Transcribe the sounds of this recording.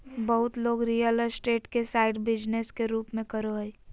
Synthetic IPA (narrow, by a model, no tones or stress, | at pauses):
bəɦʊt̪loːɡɾijələsʈeːʈkesaːɪɖbɪd͡ʒneskeɾuːpmẽkəɾoɦəi